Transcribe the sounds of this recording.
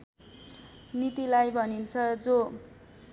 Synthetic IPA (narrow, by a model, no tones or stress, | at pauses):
nit̪ilajbʱʌnint͡sʰʌd͡zo